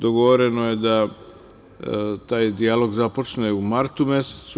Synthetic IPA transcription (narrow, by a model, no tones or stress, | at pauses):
d̪o̞ɡo̞ʋo̞ɾe̞nojed̪a | t̪aːjd̪ialo̞ɡzapo̞t͡ʃneumaɾt̪umjeset̪su